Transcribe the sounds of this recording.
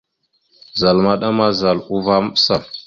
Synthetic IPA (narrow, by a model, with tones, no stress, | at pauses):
za˨lma˦ɗa˦ma˦za˨lu˦va˦m˦ɓsa˦˨